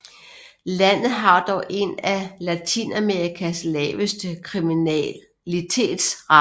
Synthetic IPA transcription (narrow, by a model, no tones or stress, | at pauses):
læn̰ð̩ˠɦɑ̈d̥ɒʊʔe̝nælæt͡sʰḭnæmeɐʁikʰæslɛ̰ːʋəsd̥əkʰʁimi | lit͡sʰe̝̰ːd̥sʁɑ